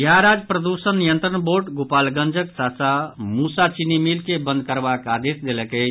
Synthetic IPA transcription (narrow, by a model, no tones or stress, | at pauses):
jaɾad͡ʒpɾəd̪usənːijənt̪ɾəɳboɾʈɡopalɡə̃nd͡ʒəksasamusat͡ʃinimilkebənd̪̚kəɾbakad̪esd̪eləkə